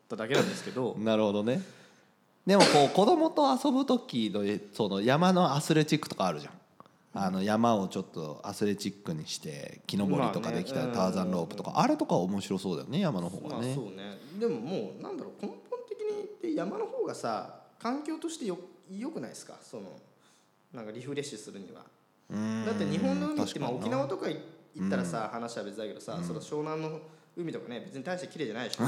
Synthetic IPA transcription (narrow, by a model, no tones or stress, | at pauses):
t̪ːad̪ake̞nãnd̪esɨ̥ked̪o̞naɾɯ̟ho̞d̪o̞ne̞ | d̪e̞mo̞ko̞ːko̞d̪o̞mo̞t̪o̞aso̞bɯ̟t̪okʲino̞so̞no̞jamano̞asɨɾe̞t͡ɕikːɯ̟̥t̪o̞kaːɾɯ̟ʑã̰ŋ | ano̞jamao̞t͡ɕo̞t̪ːo̞̰a̰sɨɾe̞t͡ɕikːɯ̟ɲ̟iɕi̥t̪e̞̰kʲino̞bo̞ɾʲit̪o̞kad̪e̞kʲi̥t̪at̪aːzãnɾo̞ːpɯ̟t̪o̞ka̰ʔaɾe̞t̪o̞kaomo̞ɕiɾo̞so̞ːd̪a̰jo̰ne̞jamano̞ɦoːɡa̰neoːned̪e̞mo̞mo̞ːnã̰nd̪aɾo̞ːkʰõ̞mpõ̞nt̪e̞kʲiɲ̟it̪ːejamano̞ho̞ːɡasa̰kãŋkʲo̞ːt̪o̞ɕi̥t̪e̞jojo̞kɯ̟naisɨ̥ka̰so̞no̞̰ | nãŋkaɾʲiɸɯɾe̞ɕɨsɨɾɯ̟ɲ̟ḭβa̰ | ɯ̃d̪at̪ːeɲ̟iɦõ̞nːo̞ɯ̟mʲiːemaokʲinaβat̪o̞kaiit̪ːaɾasahanaɕi̥ɕabe̞t͡sɨd̪aked̪o̞sasoɾoɕo̞ːnãnːo̞ɯ̟mit̪o̞kanebe̞t͡sɨɲ̟it̪aiɕt̪ekʲiɾe̞ːd͡ʑanaiɕ